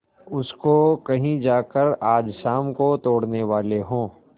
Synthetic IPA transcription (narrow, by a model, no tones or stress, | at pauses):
ʊskokɐɦĩd͡ʒaːkəɾaːd͡ʒʃaːmkot̪oːɽneʋaːleɦõː